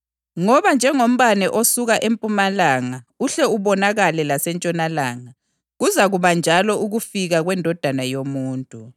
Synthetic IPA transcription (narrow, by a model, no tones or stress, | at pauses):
ŋɔβand͡ʒʱɛŋom̩βanɛʔosuɣaʔempʼumalaːŋauɬɛuβɔnaɣalɛlasɛnt͡ʃʼɔnalaːŋa | ɣuzaɣuβand͡ʒʱalɔʔuɣufiɣaɣwɛndʱɔd̥ʱanajomuːntʼu